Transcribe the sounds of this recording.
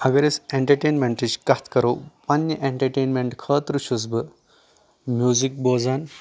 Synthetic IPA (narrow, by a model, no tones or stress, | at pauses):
ɐɡɐɾeseɳʈɐɾʈenmeɳʈit͡ʃkɐt̪ʰkɐɾowpɐnjəʔeɳʈɐɾʈeːnmeɳʈkʰəːt̪ɾuɕusbɨ | mʲjuːzik̚boːd͡zan